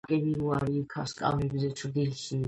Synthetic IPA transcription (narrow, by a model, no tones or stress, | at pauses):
kʼɛniɾuaɾiːkʰaskʼa̰vɛbzɛt͡ʃʰɾd̪ilʃi